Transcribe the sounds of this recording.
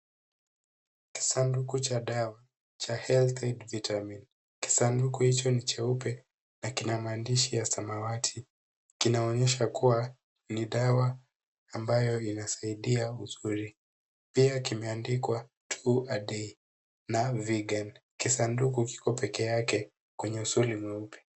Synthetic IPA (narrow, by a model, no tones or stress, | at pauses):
ki̥sandukut͡ʃaɗawa | t͡ʃahɛlt̪edvitʰamin | ki̥sandukuhit͡ʃɔnit͡ʃɛupɛ | nakinamaːndiʃijasamawatʰi | kinaɔɲɛʃakuwa | niɗawaː | mbajɔinasaiɗiauzuɾi | piakimɛandikwa | tʰuaɗɛi | naviɡankisandukuki̥kɔpɛkɛjakɛ | kwɛɲɛusulimwɛupɛ̥